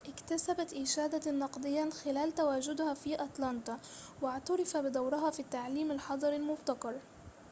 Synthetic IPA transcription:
ʔɪkt̪asabat̪ʔɪʃaːd̪anːɑqd̪ˤɨjːaxɪlaːlt̪awaːd͡ʒʊd̪hafiːʔat̪ˤlɑnt̪ˤɑwɪʕt̪ɑɾˤɑfabɪd̪ˤawɾɪɦaːfiːt̪ːaʕliːmalħɑd̪ˤɑɾalmʊbt̪ɑqɑɾˤ

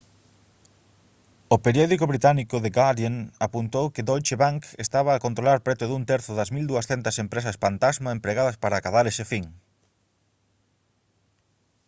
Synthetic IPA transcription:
ʊpeɾjɔðikʊβɾit̪anikʊðeɡaðjeŋapunt̪owkɪd̪ojt͡ʃeβaŋkest̪aβɐːkont̪ɾolaɾpɾet̪ʊðunt̪ɛɾθʊðɐzmild̪uɐsθent̪ɐsempɾesɐsfant̪azmaempɾeɣaðɐspaɾɐaːkaðaɾesefiŋ

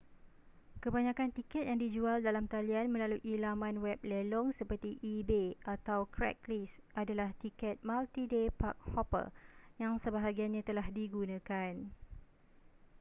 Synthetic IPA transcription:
kəbaɲãkant̪ikɛt̪̚jaŋdid͡ʒualdalamt̪alianmə̃laluʔilamãnwɛp̚lelɔŋsəpərt̪iʔibeat̪awkɾɛ̰k̚lisʔadalaht̪ikɛt̪̚malt̪idepa̰k̚hɔpə̰jaŋsəbaɦaɡianɲãt̪əlahdiɡunãkan

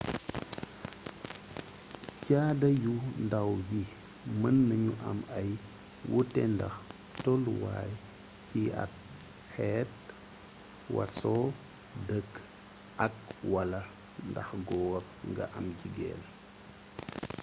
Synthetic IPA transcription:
caːdɐjundawji | mənːɐɲuʔɐmɐj | wʔutɛndɐ̰x | tolwa̰ːj | kiɐ̰t̚ | hɛːt̚ | wɐ̰sɔ | dək | ʔɐk̚wɐlɐ | ndɐ̰xɡɔːw | ŋɡɐ̰ʔɐmɟiɡɛ̰ːl

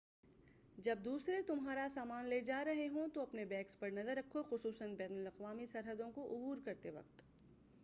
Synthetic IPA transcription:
d͡ʒɐb̚d̪uːsɾet̪ʊmɦaːɾasaːmaːnleːd͡ʒaːɾɐɦeɦõt̪oɐpnebɛ̃ːkspɐɾnɐzəɾːɐkʰːoxʊsuːsənbɛːnʊlɐqʋaːmisɐɾɦəd̪õkoʔʊbuːɾkɐɾt̪eʋɐ̰q̚t̪

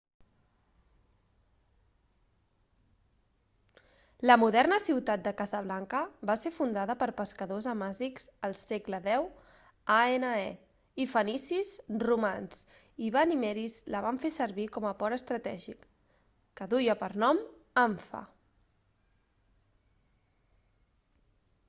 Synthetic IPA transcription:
ləmuðɛɾnəsiwt̪at̪̚d̪əkazəβlaŋkəbasefund̪aðəpəɾpəskəðozəmazikz̥əlˠseɡləðɛw | aenəe | ifənisizrumans | iβanimɛɾizləβaɱfesəɾβikɔməpɔɾəst̪ɾət̪ɛʒikː | əðujəpəɾnɔmaɱfə̰

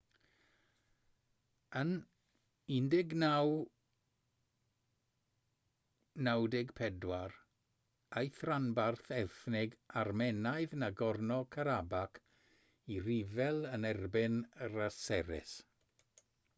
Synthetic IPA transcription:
ən | ɪndɪɡnaw | nawdɪɡpʰɛdwar | ajθranbarθɛrθnɪɡarmɛnajðnaɡɔrnɔkʰaɾabakʰ | iɾivɛlˠənɛrbɪnrasɛɾɪ̰s

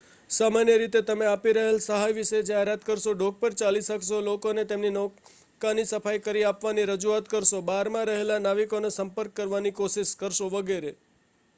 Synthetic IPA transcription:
samanjəɾit̪et̪əmeapiɾəɦelsəɦajʋiʃed͡ʒaɦeɾat̪kəɾʃoɖʱoɡ̚pəɾt͡ʃaliʃəkʃolokonet̪emninɔ | kanisəfajkəɾiapʋaniɾəd͡ʒuat̪kəɾʃobaɾmãɾəɦelanaʋikonesəmpəɾkːəɾʋanikoʃiʃkəɾʃoʋəɡeɾe

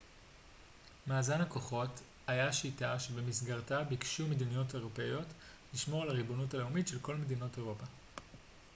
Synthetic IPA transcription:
maːzanako̞χo̞t | ajaʃitaʃe̞bemisɡaʁtabikʃumedinijo̞taeʁo̞pe̞jo̞t | liʃmo̞ʁlaʁibo̞nutale̞umitʃe̞lko̞lme̞d̪ino̞te̞ʁo̞pa

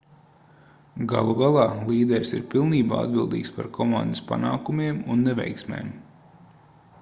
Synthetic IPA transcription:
ɡa̰lˠuɡalˠɑːlˠiːd̪ɛɾʲsḭɾpilˠniːba̰ːa̰d̪bilˠd̪ḭːkspaɾkʰɔmand̪ɨspa̰naːkumiɛmunːevɛ̰jksmḛːm

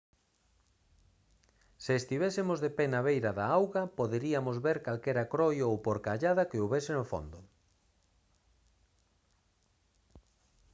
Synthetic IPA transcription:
sɪːst̪iβesɪmozðepenaβejɾaðaawɣɐpoðeɾiamozβeɾkalkɛɾakɾojowpoɾkaʎaðɐkeoβɛsɪnʊfo̰nd̪ʊ

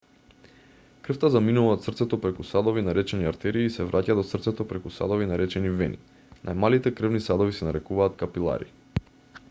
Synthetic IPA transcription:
kr̩ft̪azaminuvat̪sr̩t̪sɛt̪ɔpɾɛkusad̪ovinaɾɛt͡ʃɛniaɾt̪ɛɾiːsɛvɾʔacad̪ɔsər̩t̪sɛt̪ɔpɾɛkusa̰d̪ovinaɾɛt͡ʃɛnivɛ̰nḭ | nʔajmalit̪ɛkr̩vnisad̪ovisɛnaɾɛkuvaːt̪kapilˠa̰ɾḭ

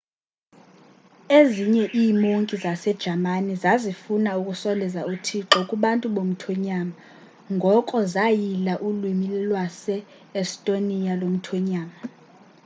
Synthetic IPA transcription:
eziɲɛʔiːmoŋkʼizasɛd̥ʒ̥ʱamanizazifunaukʼusɔlɛzautʰiǁɔkʼuɓantʼuɓom̩tʰwɛɲama | ŋɡʱɔkʼɔzajilaʔulwimilɛlwasɛː | stʼonijalom̩tʰwɛɲaːma

